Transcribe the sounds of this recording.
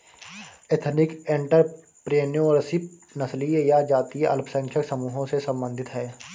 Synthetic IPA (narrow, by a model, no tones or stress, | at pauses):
et̪ʰnɪkẽɳʈəɾ | pɾeːnjõɔːɾsipnəslijad͡ʒaːt̪iʔɐ̰lpʰsə̃ŋkʰjəksəmuːɦõsesə̃mbə̃nd̪ʱɪt̪ɦɛː